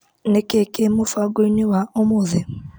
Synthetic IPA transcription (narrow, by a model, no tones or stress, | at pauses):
nekekemʊfaɡoiniwaomʊzɪ